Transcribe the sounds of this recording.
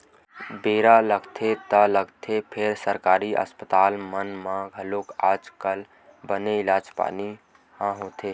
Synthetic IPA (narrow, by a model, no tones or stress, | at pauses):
beːɾaləɡt̪ʰet̪ələɡt̪ʰepʰeɾsəɾkaːɾiʔə̰spət̪aːlmənmãɡʱəlokaːd͡ʒkəl | bəneɪlaːd͡ʒpa̰ːni | hãɦoːt̪ʰe